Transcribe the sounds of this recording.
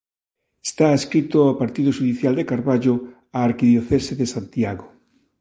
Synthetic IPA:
e̥st̪aeskɾit̪oapaɾt̪ið̞ʊʃuðiθjald̪ekaɾβaʎʊ | aːɾkiðjoθeseðesant̪jaɣo

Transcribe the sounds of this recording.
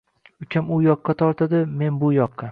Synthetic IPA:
ʊkʲʰamʊjɒqːɑt̪ʰɒɾt̪ʰad̪ɪme̞nbʊjɒqʰːɑ

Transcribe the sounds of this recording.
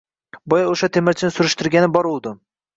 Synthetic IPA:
bɒjaoʃat̪ʰemɪɾt͡ʃʰɪnɪsʊɾɪʃt̪ɪɾɡʲanɪbɒɾolˠd̪ɪm

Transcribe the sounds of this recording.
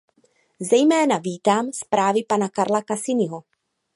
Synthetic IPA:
zɛjmɛːnaviːt̪aːmspɾaːvɪpanakaɾlakasɪnɪɦo

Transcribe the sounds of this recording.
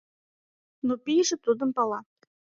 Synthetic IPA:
nupʲijʒɘ̆t̪ud̪ɤ̆mpɑlˠɑ

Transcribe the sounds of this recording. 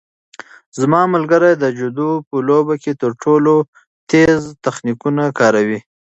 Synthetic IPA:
zmɑmʊlɡaɾajd̪əd͡ʒʊd̪upəlobaket̪əɾʈʰolo | t̪ezt̪axnikunakɑɾawi

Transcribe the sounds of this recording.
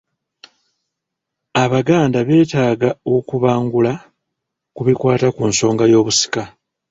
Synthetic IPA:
aβaɡaːndaβe̞ːtaːɡaokuβaːŋɡula | kuβikwaːtakunso̞ːŋɡajo̞ːβusi̥ka

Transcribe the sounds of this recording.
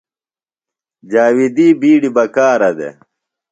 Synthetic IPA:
d͡ʑaːwid̪iːbiːɽibɐkaːɾɐd̪ḛ

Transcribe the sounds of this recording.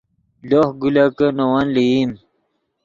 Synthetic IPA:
lohɡulakənowanliim

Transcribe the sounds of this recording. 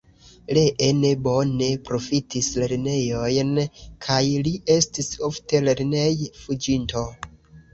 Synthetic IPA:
le̞ʔene̞bo̞ne̞pɾo̞fitisle̞ɾne̞jo̞jnkʰajliʔe̞stiso̞fte̞le̞ɾne̞jfud͡ʒinto̞

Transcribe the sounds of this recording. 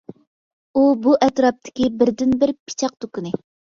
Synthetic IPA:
ubuʔɛt̪ɾɑp̚t̪ʰɪ̥kʲibɪɾd̪ɪnbɪɾpʰi̥t͡ʃʰɑq̚t̪ukunɪ

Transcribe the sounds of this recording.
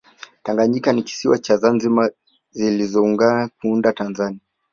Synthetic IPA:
taŋɡaɲikaniki̥siwat͡ʃazanzima | zilizɔuŋɡakuundatanzania

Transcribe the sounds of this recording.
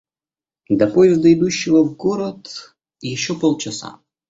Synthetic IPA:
d̪ɐpojɪzd̪ɐɪd̪uɕːɪvəvɡoɾət̪ | jɪɕːopolˠt͡ɕɪsa̰

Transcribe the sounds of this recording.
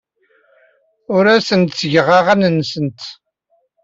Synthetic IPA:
ʊɾæsənt̪sʝʁɑʁænənːsənt̪

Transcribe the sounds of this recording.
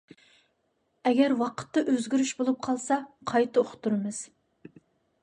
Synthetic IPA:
ɛɡʲɛɾwɑqʰə̥t̪ːɑʔøzɡʲyɾyʃbolˠup̚qʰɑlˠsɑqʰɑjt̪ʰɨoχt̪ʰːuɾɨmɨz̥

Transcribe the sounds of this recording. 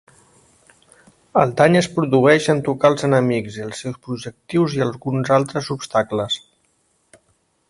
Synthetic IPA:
əlˠd̪aɲəspɾuðuɛʃənt̪ukalˠzənəmikziəlˠsːewspɾuʒək̚t̪iwziəlˠɣunzalˠt̪ɾəzubst̪akləs

